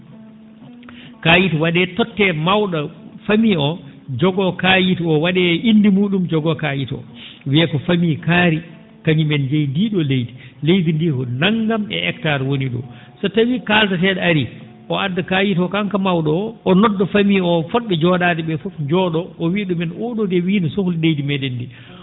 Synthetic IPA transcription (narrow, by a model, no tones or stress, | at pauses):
kajitɔwaɗɛtɔtːɛmawɗafamiɔd͡ʒɔɡɔkajitɔwaɗɛindimuːɗumd͡ʒɔɡɔkajitɔ̰wiɛkɔfamikaːɾi | kaɲimɛnd͡ʒejndiːɗɔlejti̥lejdindikɔnaŋɡamɛ̰ʔɛktaɾwoniɗɔ̰ | sɔtawikaltatɛɗɛaɾi | ʔɔadːakaːjitɔkaŋkamawɗɔːnɔdːɔfamiɔfɔɗːɛd͡ʒɔɗatɛɓɛfɔfd͡ʒɔɗɔʔɔwiɗɔmɛnɔɗɔdɛwiːnisohlilejdimɛɗɛndi